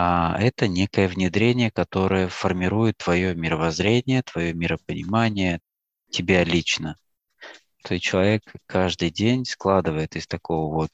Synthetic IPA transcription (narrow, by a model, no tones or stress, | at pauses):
aɛt̪ənʲe̞kəjəvnʲɪd̪ɾʲenʲɪjəkɐt̪o̞ɾəjəfərmʲɪɾujɪt̪ːvɐjo̞mʲɪɾəvɐzɾʲenʲɪjət̪vɐjo̞mʲɪɾəpənʲɪ̰manʲɪjə | tʲɪbʲalʲit͡ɕnə | t̪oɪt͡ɕɪlˠɐvʲe̞kʰːaʐd̪ɨjdʲenʲsklˠad̪ɨvəjɪt̪ɪst̪ɐko̞vəvo̞t̪̚